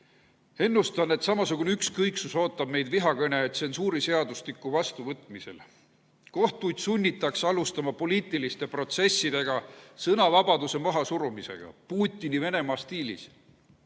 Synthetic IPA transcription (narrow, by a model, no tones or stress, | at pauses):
e̞nːust̪ɑnːe̞t̪sɑmɑsukuneykskɤjksuso̞ːt̪ːˑɑb̥̚me̞jd̪viɦɑkɤnʲe̞ːt̪seonsuːɾise̞ɑd̪ust̪ikːˑuvɑst̪uvɤt̪ːˑmise̞̰l | ko̞ht̪ujd̪̥sunʲːit̪ːˑɑksɑlust̪ɑmɑpo̞liːt̪ˑilist̪e̞pro̞t̪se̞sːid̪̥e̞ɡ̥ɑsɤnɑvɑb̥ɑd̪use̞mɑɦɑsuɾumise̞̰ɡ̥ɑ̰puːt̪ʲːˑinive̞ne̞mɑːst̪iːlḭs